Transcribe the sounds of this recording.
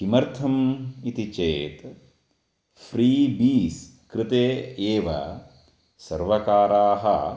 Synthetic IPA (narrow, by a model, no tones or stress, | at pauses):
imɐɾt̪ʰɐmit̪it͡ʃeːt̪ | fʰɾiːbiːs | kɾɪt̪eːeːʋɐ̰ | sɐ̰ɾʋɐkaːɾaːɦɐ